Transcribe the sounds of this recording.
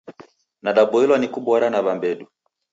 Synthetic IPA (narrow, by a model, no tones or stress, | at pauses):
naɗabɔilwanikubɔɾanaβambɛdu